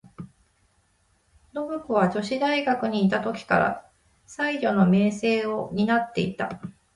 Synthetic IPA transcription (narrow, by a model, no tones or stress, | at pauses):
no̞bɯ̟koβ̞ad͡ʑo̞ɕid̪aiɡakɯ̟ɲ̟iːt̪at̪o̞kʲi̥ka̰ɾa̰ | saiʑo̞no̞me̞ːse̞ːo̞ɲ̟inat̪ːe̞̰it̪a̰